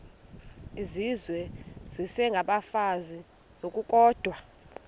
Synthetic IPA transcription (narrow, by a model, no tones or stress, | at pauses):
izizwɛz̥isɛŋɡʱaɓafazi | nokʼukʼɔːd̥ʱwa